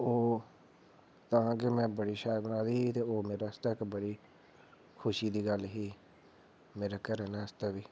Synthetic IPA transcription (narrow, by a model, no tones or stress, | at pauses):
oː | t̪ãːkɪmɛ̃ːbəɽiːʃaːəbənaːd̪iːt̪eːoːmeːɾaːəst̪aːkbəɽiː | kʰʊʃiːd̪iːɡəlɦiː | meːɾaːkəɾɛnɛːəst̪aːʋiː